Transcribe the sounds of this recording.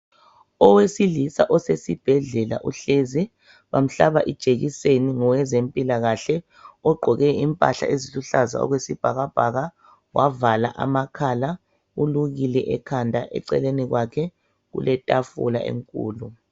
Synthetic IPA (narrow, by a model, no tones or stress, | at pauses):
ɔwesilisa̰ʔɔsesib̥ʱɛɮɛla̰ʔuɬezi | βam̩ɬaβaʔid̥ʒ̥ʱeɣiseniŋɔwɛzempʼilaɣaɬɛ | ɔɡ͡ǃʱɔɣɛimpʼa̰ɬa̰eziluɬaza̰ɔ̰ɣwesib̥ʱaɣab̥ʱaɣa | wavala̰ʔa̰makʰala | uluɣilɛʔɛkʰandʱaʔɛ̰ǀɛ̰leniɣwakʰɛ | ɣṵlɛtʼafṵla̰ʔḛŋkʼṵːlu